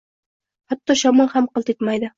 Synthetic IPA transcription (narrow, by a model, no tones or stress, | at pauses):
χɑt̪ːɒʃɒmɤhamqɤlˠt̪et̪majd̪ɪ